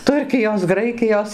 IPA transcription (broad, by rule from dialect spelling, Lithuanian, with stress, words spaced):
ˈtʊrʲkʲɪjoːs ˈɡrɐɪkʲɪjoːs